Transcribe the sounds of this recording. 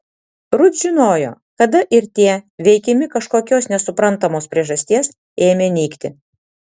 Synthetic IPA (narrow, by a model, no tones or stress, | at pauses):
ɾʊd̪ʒʲɪnoːjo̰ː | kɐd̪ɐʔɪɾt̪ʲiɛʋʲɛɪkʲɪmʲɪkɐʃkoːkʲoːsnʲɛsʊpɾɐnˑt̪ɐmoːspʲɾʲiɛʒɐsʲt̪ʲiɛs | eːmʲeːnʲɛːkt̪ʲɪ